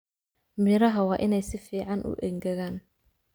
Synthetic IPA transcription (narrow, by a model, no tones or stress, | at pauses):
mɪɾɐɦɐwɑːʔɪnɛjsɪfiːʕɑnʔʊ̰ʔɛ̰ŋɡɐɣaːn